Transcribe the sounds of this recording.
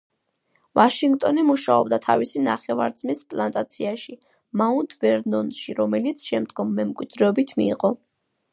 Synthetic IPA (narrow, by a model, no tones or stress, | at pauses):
vaʃiŋɡt̪ʼɔnimuʃaɔbd̪at̪ʰa̰visina̰χɛva̰ɾd̪zmispʼlˠant̪ʼat̪sʰiaʃi | maund̪vɛɾnɔnʃiɾɔmɛlit̪sʰʃɛmd̪ɡɔmːɛmkʼwid̪ɾɛɔbit̪ʰmiːqʼɔ